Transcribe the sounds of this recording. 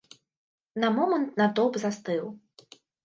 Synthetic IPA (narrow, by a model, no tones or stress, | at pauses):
nɐmɔmɐnt̪̚nad̪ɔpzast̪ɨw